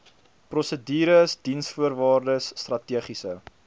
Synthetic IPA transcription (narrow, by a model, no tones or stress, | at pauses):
prɔsədiːɾəsdinsfuərvɑːrdəsːtrɐtiəχisə